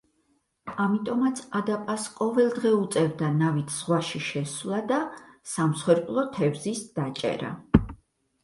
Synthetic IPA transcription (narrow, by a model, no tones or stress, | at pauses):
amit̪ʼɔmat̪sʰad̪apʼasqʼɔvɛlˠd̪ʁɛut̪sʼɛvd̪anavit̪ʰz̥ʁwaʃiʃɛswlˠad̪asamsχwɛɾpʼlˠɔt̪ʰɛvzisd̪̥at͡ʃʼɛ̰ɾa̰